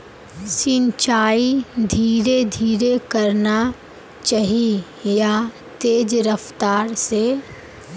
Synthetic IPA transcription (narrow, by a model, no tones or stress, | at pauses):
sɪ̃nt͡ʃaːid̪ʱiːɾed̪ʱiːɾekɐɾna | t͡ʃaɦie | ja | t̪eːd͡ʒɾəft̪aːɾse